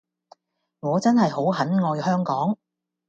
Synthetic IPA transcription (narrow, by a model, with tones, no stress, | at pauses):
ŋɔː˨˧t͡sɐ˥nɦɐ˨jho˨˥wɦɐ˨˥nŋɔː˧jhœː˥ŋkɔː˨˥ŋ